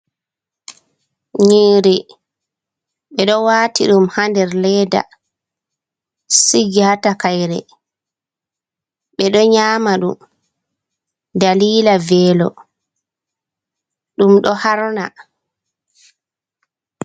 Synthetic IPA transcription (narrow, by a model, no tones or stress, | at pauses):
ɲeːɾɛ | ɓɛɗɔwaːtiɗumhandɛɾlɛːda̰ | siɡatakajɾɛ | ɓɛɗɔɲaːmaɗṵm | daliːlavɛːlɔ̰ | ɗumɗɔhaɾna̰